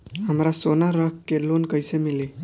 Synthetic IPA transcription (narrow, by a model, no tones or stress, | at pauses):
ɦəmɾasonaɾəkkelonkəjsemile